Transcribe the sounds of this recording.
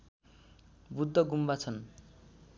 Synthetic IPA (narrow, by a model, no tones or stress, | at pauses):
bud̪ʱːʌɡumbat͡sʰʌn